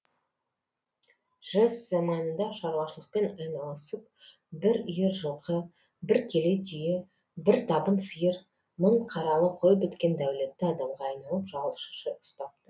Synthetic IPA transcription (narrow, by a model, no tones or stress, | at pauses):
ʒ̥əzːɑmɑnənd̪ɑʃɑɾwɑʃəlˠəq̚pe̞nɑjnɑlˠəsəp̚ | bɪɾʏjeʒəlˠqə | bɪɾkʲʰe̞let̪ʰʏjɪ | bɪɾt̪ʰɑbənsəjəɾ | məɴqʰɑɾɑlˠəqʰo̞jəpʏt̪kʲe̞nd̪æwle̞t̪ːɪɑd̪ɑmʁɑːjnɑlˠəpʒɑwˠʃə̥ʃəʔʊ̥st̪ɑp̚t̪ə